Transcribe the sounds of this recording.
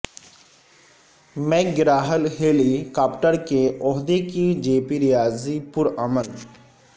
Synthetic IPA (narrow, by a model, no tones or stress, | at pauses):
mɛːk̚ɡɪɾaːɦəlɦeːlikaːpʈəɾkeʔɔɦd̪ekid͡ʒeːpiɾijaːzipʊɾəmən